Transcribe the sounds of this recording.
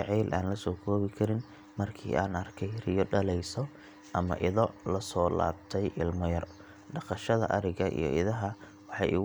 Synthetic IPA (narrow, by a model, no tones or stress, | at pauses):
ʕiːlʔaːnlɐsɔːkʰɔːβɪkʰɐɾɪn | mɐrkʰḭːʔaːnɐrkʰɛjrɪjɔɖɐlɛjsɔ | ʔɐmɐ̰ʔɪðɔlɐsɔːla̰ːbt̪ʰɛjʔɪlmɔjɐr | ɖɑqɑʃɐðɐ̰ʔɐɾɪɣɐʔḭjɔ̰ʔɪðɐɦɐ | wɑħɑ̰jʊ